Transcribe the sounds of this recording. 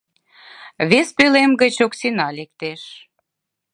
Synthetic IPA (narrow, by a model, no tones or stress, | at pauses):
βespølemɡə̆t͡ɕoksinɑlek̚t̪eʃ